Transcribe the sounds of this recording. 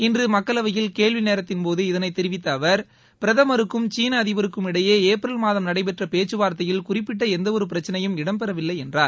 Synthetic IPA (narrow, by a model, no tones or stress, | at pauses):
ɪndrɯmɐkːɐɭɐʋɐjɪlkeːɭʋɪneːɾɐt̪ːɪnpoːðɯɪðɐnɐɪt̪ːɛɾɪʋɪt̪ːɐːʋɐɾ | pɪɾɐðɐmɐɾɯkːɯmt͡ʃiːnɐːðɪʋɐɾɯkːɯmɪɽɐjeːeːpɾɐlmaːðɐmnɐɽɐɪp̬ɛʈrɐpeːt͡ʃːɯʋaːɾt̪ɐjɪlkʊrɪpːɪʈ̬ːɐɛnd̪ɐɔɾɯp̬ɪɾɐt͡ʃːɐnɐjɯmɪɽɐmpɛɾɐʋɪlːɐɪɛndraːɾ